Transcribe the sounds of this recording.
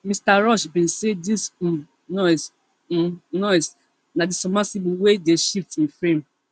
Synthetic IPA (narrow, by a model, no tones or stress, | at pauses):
mĩstaɾɔʃbĩnsedis̩ | nɔis̩ | nɔis | nãdisɔmãsibĩwedeʃiftĩfɹẽm